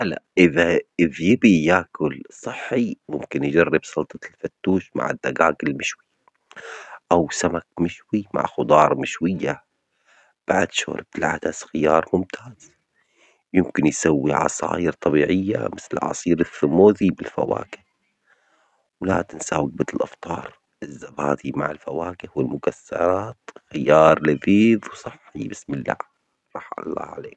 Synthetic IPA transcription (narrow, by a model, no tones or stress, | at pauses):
ʔala̰ʔɪðaʔɪðjɪbijaːkʊlsˤɨħːimʊmkɪnjd͡ʒarːɪbsˤɑlt̪ˤɑlfat̪ːuːʃma̰ʕɪ̰d̪ːaɡaːɡɪlmɪʃwi | ʔawsamak̚mɪʃwima̰ʕxʊd̪ˤɑːɾˤmɪʃwɪjːa | b̥aʕd̪ʃo̰ːɾb̚t̪lʕad̪asxɪjɑːɾˤmʊmt̪ʰaːz̥ | jɪmkɪnjsawːiʕɑ̰sˤɑ̰ːjɪɾt̪ˤɑbiːʕɪjːa̰mɪθlɪʕɑ̰sˤiːɾɪθːʊmoːðibɪlfa̰wa̰ːkɪh | wla̰ːt̪ɪnsaːwɪɡ̚bɪt̪ɪlʔɑft̪ˤɑːɾˤ | ʔɪzːabaːd̪ima̰ʕɪlfawaːkɪhwɪlmʊkasːɑ̰ɾˤɑːt̪xɪjɑːɾˤlɪfiːðwsˤɑħːibɪsmɪlːa̰ʕ | ɾˤɑħɑ̰lˤːɑ̰ːʕa̰leːk